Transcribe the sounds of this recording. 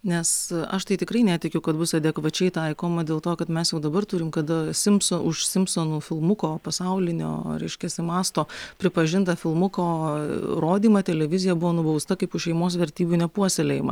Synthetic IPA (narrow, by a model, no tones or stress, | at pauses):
nʲɛsɐʃt̪ɐɪt̪ʲɪkɾɐɪnʲæːt̪ʲɪkʲʊkɐt̪bʊsɛd̪ʲɛkʋɐt͡ʃʲɛɪt̪ɐɪkoːmɐd̪ʲeːlˠt̪oːkɐt̪mʲɛsjɛʊd̪ɐbɐrt̪ʊɾʲɪmkɐd̪ɐsʲɪmpsoʔʊʃsʲɪmpsonuːfʲɪlˠmʊkoːpɐsɐʊlʲɪnʲo̰ːɾʲɛɪʃʲkʲɛsʲɪmɑːst̪oːpʲɾʲɪpɐʒʲɪnt̪ɐfʲɪlˠmʊkoːɾoːd̪ʲiːmɐt̪ʲɛlʲɛʋʲɪzʲɪjɛbʊʋoːnʊbɐʊst̪ɐkɐɪpʊʃʃʲɛɪmoːsʋʲɛɾʲt̪ʲiːbʲuːnʲɛpuɔsʲelʲeːjɪmɐ̰